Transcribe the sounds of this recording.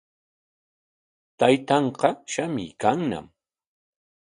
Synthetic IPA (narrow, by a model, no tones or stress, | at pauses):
t̪ajt̪ɑɴqɑʃamɪ̰ːkaŋna̰m